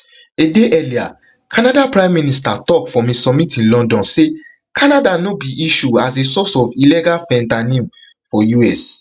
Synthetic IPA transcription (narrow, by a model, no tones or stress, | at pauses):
edeʔɛlia̰ | kʰãnadapɹãɪ̃mːĩnis̬tatɔkfɔ̃mesɔb̚mitĩnlɔ̃ndɔ̃nse | kʰãnadanobiʔiʃuasesɔsɔvilɛɡalfɛ̃ntanẽm | fɔjuɛs